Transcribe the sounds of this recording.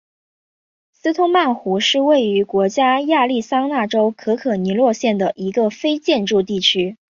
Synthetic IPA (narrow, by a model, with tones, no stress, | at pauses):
sɹ̩˥t̪ʰʊ˥ŋma˥˩nxu˧˥ʂɻ̩˥˧we˥˩ɪy˧˥kwɔ˧˥t͡ɕja˥ja˥˧li˥˩sɑ˥ŋna˥˩ʈ͡ʂo˥ʊkʰɤ˧˥kʰɤ˨˩ni˧˥lwɔ˥˧ɕjɛ˥˩nd̪ə˩ʔi˧˥ɡə˧fe˥ɪt͡ɕjɛ˥˧nʈ͡ʂu˥˧t̪̬i˥˩t͡ɕʰy˥